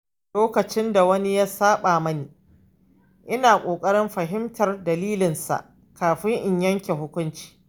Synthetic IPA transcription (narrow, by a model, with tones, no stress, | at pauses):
loː˦kɐ˨t͡ʃɪ˦nda˨wɐ˦ni˦jaː˦saː˦ɓaː˨mɐ˦niː˨ | ʔɪ˦naː˨kʷʼoː˨kʼɐ˦ɽɪ˦mɸɐ˨ɦɪ˦mtʰɐ˨rdɐ˨liː˦lɪ˨nsa̰˨ʔ | kaː˨ɸɪ˦ŋʔɪ˨ɲjɐ˦ŋkʲe˨ɦʊ˦kʷʊ˦nt͡ʃi̥ː˨